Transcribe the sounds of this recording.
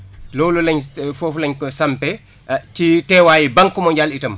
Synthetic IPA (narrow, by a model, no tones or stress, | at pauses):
lɔwlulɐɲfɔːflɐɲkɔsampɛ | titɛːwaːjibɐŋkːɔmɔɲɟaːlitɐm